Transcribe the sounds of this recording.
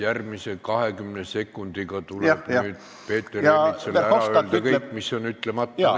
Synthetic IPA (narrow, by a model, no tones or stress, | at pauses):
jærmise̞kɑhe̞kymnese̞kːˑund̪̥iɡɑt̪ulb̥nyːd̪ | pe̞ːt̪ːˑereiselæɑøl̥kɤjkkːmisːo̞nyt̪lemɑt̪ˑːɑ